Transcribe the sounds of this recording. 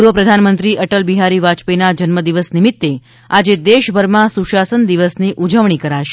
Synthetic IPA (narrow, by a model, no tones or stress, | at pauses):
uɾʋəpɾəd̪ʱanmənt̪ɾiʔəʈəlbiɦaɾiʋat͡ʃpinad͡ʒənməd̪iʋəsnimit̪ːe | ad͡ʒed̪eʃbʱəɾmãsuʃasənd̪iʋəsniʔud͡ʒəʋɳ̃ikəɾaʃe̥